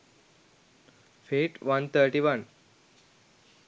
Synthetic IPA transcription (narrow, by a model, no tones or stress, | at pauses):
feʈʋɐnt̪ʰəɾʈiʋən